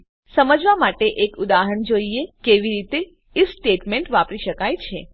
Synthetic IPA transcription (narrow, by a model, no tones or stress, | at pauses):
səməd͡ʒʋamaʈeʔekud̪aɦəɳd͡ʒoiekeʋiɾit̪e | isʈeʈmẽɳʈʋapɾiʃəkajt͡ʃʰe